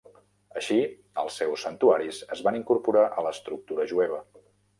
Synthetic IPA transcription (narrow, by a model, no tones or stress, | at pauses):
əʃi | ə̰lˠsːɛwsːənt̪uaɾisəzβaniŋkuɾpuɾaʔələst̪ɾuk̚t̪uɾəʒuɛβ̞ə